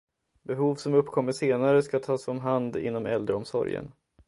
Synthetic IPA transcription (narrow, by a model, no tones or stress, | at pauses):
bɛɦuːvsɔmɵpːkʰɔmːəʂeːnaɾəskat̪ʰɑːsɔmɦand̪ɪ̰nːɔmɛ̰ld̪ɾəɔmsɔ̰ɾjə̰n